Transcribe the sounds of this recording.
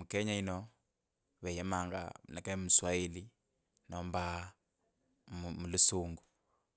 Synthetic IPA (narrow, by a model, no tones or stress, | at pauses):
mukɛɲainɔ | βɛjɛmaŋɡa̰nakɛmuswaeli | nɔmba | mmulusuːŋɡu